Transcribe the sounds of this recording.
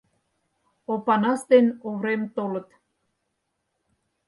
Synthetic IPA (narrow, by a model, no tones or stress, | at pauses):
opɑnɑst̪enoβɾemt̪olə̆t̪